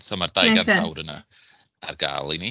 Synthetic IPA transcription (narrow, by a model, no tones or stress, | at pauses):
samardajɡantʰa̰wɾəna̰ | arɡa̰ːlˠini